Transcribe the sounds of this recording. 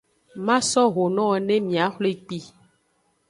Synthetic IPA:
mã˦sɔ˦ɣo˨nɔ̃˦˨nɛ̃˦mĩ˨a˨˦xlo˦i˨k͡pi˦

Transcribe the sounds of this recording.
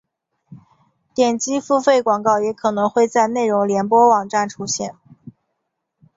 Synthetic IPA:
t̪jɛ˨˩nt͡ɕi˥fu˥˧fe˥˩ɪkwɑ˨˩ŋkɑ˥˩ʊjɛ˧˥kʰɤ˨˩nɤ˧˥ŋxwe˥˧ɪt͡sa˥˧ɪne˥˩ɪɻʊ˧˥ŋljɛ˧˥npwɔ˥wɑ˨˩ŋʈ͡ʂa˥˩nʈ͡ʂʰu˥ɕjɛ˥˩n

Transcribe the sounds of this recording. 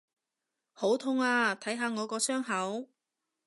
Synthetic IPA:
ho˨˥wt̪ʰʊ˥ŋaː˧t̪ʰɐ˨˥jɦaː˨˧ŋɔː˨˧kɔː˧sœː˥ŋɦɐ˨˥w

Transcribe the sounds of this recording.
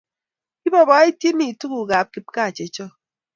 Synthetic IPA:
i˦bɔ˦˨bɔ˨˦e˦tji˦ni˨tu˦ɣu˨ɣa˨p̚ki˨p̚ka˦˨t͡ʃe˨˦t͡ʃɔ˦

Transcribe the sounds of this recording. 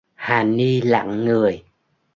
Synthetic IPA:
haː˨˩ni˧la̰ː˧˨ŋːɨ˨˩əj

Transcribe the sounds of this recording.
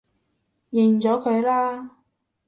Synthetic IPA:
jɪ˨˩ŋt͡ʃɔː˨˥kʰɵ˨˧ɥlaː˥

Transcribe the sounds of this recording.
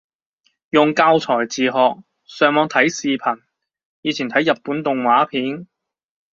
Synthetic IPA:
jʊ˨ŋkaː˧wt͡sʰɔː˨˩jt͡siː˨˩ɦɔː˨k̚ | sœː˨˧ŋmɔː˨˧ŋt̪ʰɐ˨˥jsiː˨pʰɐ˨˩n | jiː˨˧t͡sʰiː˨˩nt̪ʰjːɐ˨t̚pːuː˨˥nt̪ʊ˨ŋwaː˨˥pʰiː˨˥n

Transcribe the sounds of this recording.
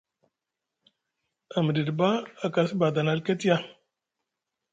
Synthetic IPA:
a˨mə˨di˨dba˦a˨ka˨si˦ba˨da˨na˨lka˦ti˦ja˦

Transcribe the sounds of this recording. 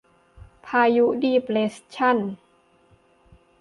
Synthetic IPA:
pʰaː˧ju˦˥diː˧pleː˦˥st͡ɕʰa˥˩˨n

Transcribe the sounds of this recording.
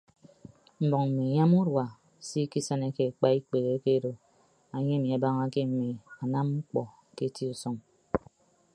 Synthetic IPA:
m̩˨˦bɔ˨ŋm̩˨mi˨ɲa˦mu˦ɾwa˨ | si˦ki˦sə˦ne˦ke˨k͡pa˦i˦k͡pe˨ɣe˨˦ke˦do˨ | a˨ɲe˦mi˨a˨ba˦ŋa˦ke˦m̩˨mi˨a˨na˦mŋ͡m̩˦k͡pɔ˨ | ke˦ti˦u˨sɔ˦ŋ

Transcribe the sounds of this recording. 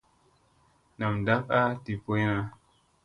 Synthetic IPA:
na˨mda˦pa˦ti˨po˦jna˦

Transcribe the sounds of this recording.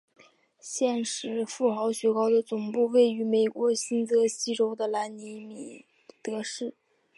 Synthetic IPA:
ɕjɛ˥˩nʂɻ̩˧˥fu˥˩xɑ˧˥ʊɕɥɛ˧˥kɑ˥ʊd̪ə˨t͡sʊ˨˩ŋpu˥˧we˥˩ɪy˧˥me˨˩ɪkwɔ˧˥ɕi˥nt͡sɤ˧˥ɕi˥ʈ͡ʂo˥ʊd̪ə˧la˧˥nni˧˥mi˨˩ | t̪ɤ˧˥ʂɻ̩˥˩

